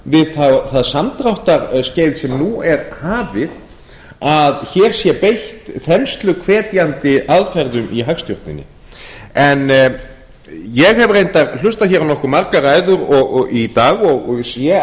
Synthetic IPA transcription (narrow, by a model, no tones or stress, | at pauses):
vɪðθawθaðsamt̪ɾawht̪aɾscejðsɛmnuɛɾhaːvɪð | aðçɛːɾ̥sjɛpejht̪θɛnst̪lʏkʰvɛːt̪jant̪ɪaðfɛɾðʏmʔiɦakst̪jɔɾt̪nɪ̰nːɪ̰ | ɛn | jɛɣɦɛvrejnt̪al̥ʏst̪açɛɾawnɔhkʏɾmaɾkaraːjðʏɾɔɣɔit̪aːɣɔɣɔɣsjɛ